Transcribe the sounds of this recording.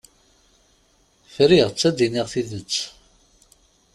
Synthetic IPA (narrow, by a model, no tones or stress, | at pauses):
fɾiʁət͡sːæd̪iniʁθiðət͡sː